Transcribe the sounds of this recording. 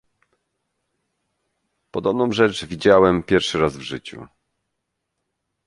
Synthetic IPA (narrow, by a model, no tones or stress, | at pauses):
pɔd̪ɔbnɔ̃w̃ʐɛt͡ʂvʲid͡ʑawɛmpʲjɛɾfʂɘɾazvʐɘt͡ɕṵ